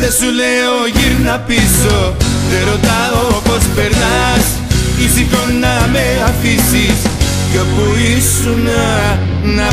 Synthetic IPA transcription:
ðesuleoʝiɾnapisoðeɾot̪aðopospeɾðas | kisikoname | afisis | jopuis | una | na

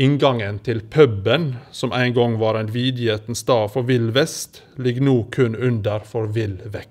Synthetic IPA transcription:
ɪŋɡɑŋənt̪ʰɪlpʰœbənsɔmʔæɪnɡɔŋʋɑːɾæɪnʋiːd̪jɛt̪n̩sd̪ɑːfɔɾʋɪlʋɛst̪ | lɪɡnuːkʰʉnʉnd̪əɾfɔɾʋɪlʋɛk

